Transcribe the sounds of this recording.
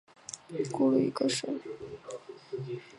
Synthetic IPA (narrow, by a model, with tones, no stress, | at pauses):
ku˥˧lu˥˧ḭ˧˥ɡə˥˧ʂə˥